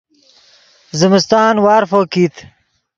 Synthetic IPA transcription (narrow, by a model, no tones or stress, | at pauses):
zimɪst̪ɑːnwɑːɾfoːkit̪ʰ